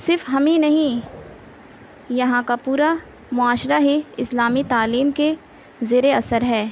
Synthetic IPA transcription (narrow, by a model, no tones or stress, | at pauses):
sɪɾfɦɐmĩnɐɦĩ | jɐɦãkapuːɾa | mʊaːʃɾaɦiɪslaːmit̪aːliːmke | zeːɾeɐsəɾɦɛː